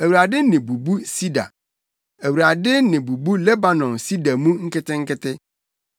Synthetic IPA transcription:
æ˨wu˨ɾa˨dɪ˦nɪ̃˨bu˨bu˦si˦da̰˨ | æ˨wu˨ɾa˨dɪ˦nɪ̃˨bu˨bu˦lɛ˦ba˨nɔ̃˨nsi˦da˨mũ˦ŋ̩˦kɪ˦tɪ̃˦ŋ̩˦kɪ˦tʰɪ˦

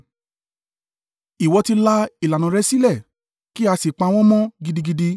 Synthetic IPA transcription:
i˨wɔ˨˧ti˧la˦i˨la˨nã˨ɾɛ˦si˦lɛ˦˨ | ki˦a˧si˨k͡pa˧w̃ɔ̃˦mɔ̃˦ɡi˧di˧ɡi˧di˧

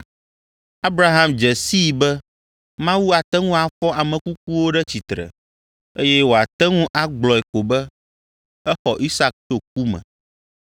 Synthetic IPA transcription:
a˦bɾa˦ɦã˦md͡ʒɛ˨si˦˨bɛ˦ | mã˦wu˦a˨t̪ɛ˦ŋũ˦a˨fɔ˦ʔa˨mɛ̃˨ku˦k̚u˦wo˦ɖɛ˦t͡ɕi˨t̪ɾɛ̰˨ | e˦jɛ˦wo˨a˨t̪ɛ˦ŋũ˦ʔa˦ɡ͡blɔ˨ɛ˨ko˨bɛ˦ | ɛ˦xɔ˨ʔi˦sa˦k̚t̪o˦k̚u˦mɛ̰̃˨

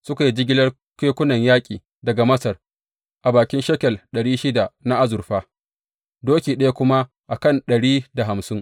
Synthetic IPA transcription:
sʊ˦ka˨ji˦d͡ʒɪ˦ɡʲɪ˦lɐ˦r | keː˦kʷʊ˦nɐ˨ɲjaː˦kʲʼiː˨ | dɐ˨ɡa˨mɐ˦sɐ˨r | ʔa˨baː˨kʲɪ˦nʃɐ˦kʲɛ˨lɗɐ˨ɽiː˦ʃɪ˦da˨ʔna˦ʔa˦zʊ˨rɸaː˦ | doː˦kʲiː˨ɗɐ˦ja˦kʷʊ˦ma˦ | ʔa˨kɐ˦˨nɗɐ˨ɽiː˦da˨ɦa˨msɪ˦ŋ

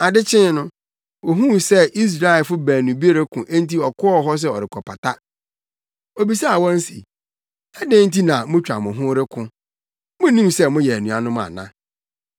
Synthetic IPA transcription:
a˨dɪ˦t͡ɕʰɪ̃˦n˦nʊ̃˦ | wɔ˨ɦũ˦sɛ˦ʔi˦s̬ɾa˦ɛ˨fʊ˦bæː˨nũ˨bi˦e˦ɾe˦kʰʊ̃˨ʔe˦n˦ti˦ɔ˨kʰʊ˦ɔ˦ɦɔ˦s̬ɛ˦˨ɔ˨ɾɪ˨kʰɔ˨pʰa˨tʰa˦ | o˨bi˨sa˦a˨wɔ̃˦n̩˦sḭ˨ | ɛ˦dɪ̃˦n̩˦ti˦nã˨mʊ̃˦t͡ɕᶣa˨mʊ̃˨ɦʊ̃˦ɾɪ˦kʰʊ̃˦ | mʊ̃˦nĩ˦msɛ˦mʊ̃˦jɛ˨æ˨nũ˨a˨nʊ̃˦mã̰˨nã̰˦

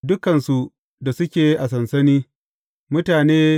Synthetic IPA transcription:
dʊ˦kɐ˨nsu˨ | da˨sʊ˦kʲeː˨ʔa˨sɐ˨nsɐ˦niː˦ | mʊ˦taː˨neː˦

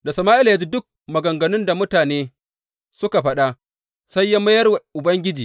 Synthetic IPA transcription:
da˨sɐ˨maː˦ʔɪ˦la˨jaː˦d͡ʒiː˦dʊ˦k̚ | mɐ˨ɡɐ˨ŋɡɐ˨nʊ˦nda˨mʊ˦taː˨neː˦ | sʊ˦ka˨ɸɐ˦ɗa˦ | sa˦jːa˦mɐ˦jɐ˦rwʔʊ˨bɐ˦ŋɡʲɪ˦d͡ʒiː˨

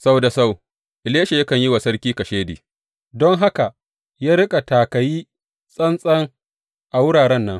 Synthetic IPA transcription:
sa˦wda˨sa˦˨w | ʔɪ˨leː˦ʃe˨jɐ˦kɐ˨ɲji˦wa˨sɐ˦ɾkʲiː˦kɐ˨ʃeː˦dḭː˨ | dɔ˦ŋɦa˦ka˨ʔ | jaː˦ɾɪ˦kʼa˨taː˨kɐ˨jiː˦ | sʼɐ˦nsʼɐ˦ŋ | ʔa˨wʊ˦ɽaː˨ɽɛ˦nːɐ˦ŋ

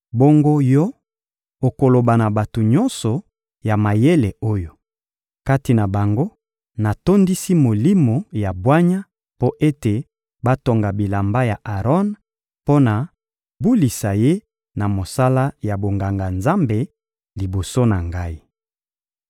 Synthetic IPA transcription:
bo˦ŋɡo˦jɔ˦ | o˨ko˨lo˨ba˨na˨ba˨to˨ɲɔ˦nsɔ˨ | ja˨ma˨je˦le˨o˦jo˨ | ka˦ti˨na˨ba˨ŋɡo˦ | na˨to˦ndi˦si˦mo˨li˦mo˨ja˨bwa˦ɲa˦ | po˦ʔe˦te˨ | ba˦to˨ŋɡa˨bi˨la˨mba˦ja˨ʔa˨ʁɔ˦n | po˦na˨ | bu˦li˨sa˨je˦ | na˨mo˨sa˦la˦ja˨bo˨ŋɡa˨ŋɡa˨nza˦mbe˨ | li˨bo˨so˦na˨ŋɡa˦i˦

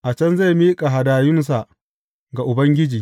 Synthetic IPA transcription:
ʔa˨t͡ʃɐ˦nza˦˨jmiː˦kʼa˨ɦa˨daː˨jʊ˦ns̬a˨ʔ | ɡa˨ʔʊ˨bɐ˦ŋɡʲɪ˦d͡ʒiː˨

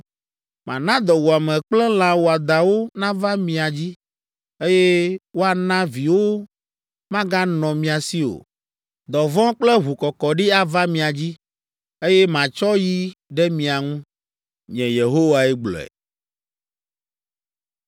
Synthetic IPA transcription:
mã̰˨nã˦d̪ɔ˨wu˨a˨mɛ̃˨k͡plɛ˦l̃ã˨wo˨a˨d̪a˨wo˦nã˦va˦mĩ˨a˨d͡ʑi˦ | e˦jɛ˦wo˦a˨nã˦vi˨wo˦ | mã˦ɡa˦nɔ̃˨mĩ˨a˨si˦o̰˨ | d̪ɔ˨vɔ̃˦k͡plɛ˦ɦu˨kɔ˨kɔ˨ɖi˦a˨va˦mĩ˨a˨d͡ʑi˦ | e˦jɛ˦mã˨t͡ʃɔ˦ji˦ɖɛ˦mĩ˨a˨ŋũ˦ | ɲɛ̃˨je˨ɦo˦wa˨ɛ˦ɡ͡blɔ̰˨ɛ̰˨

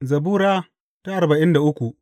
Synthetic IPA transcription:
zɐ˨buː˦ɾaː˦ | ta˦ʔa˨rbɐ˨ʔɪ˦nda˨ʔʊ˦kʷu˨ʔ

